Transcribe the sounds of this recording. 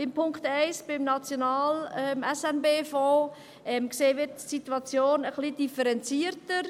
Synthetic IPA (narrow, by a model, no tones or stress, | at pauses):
ɪmpʰʊŋkχtɛɪsb̥ɪmnɑt͡sjonɑːlɛmɛsɛnbeːfɔː | ɛmkseːʋɪtsituɑt͡sjoːnəχlidifəɾɛnt͡siəɾtəɾ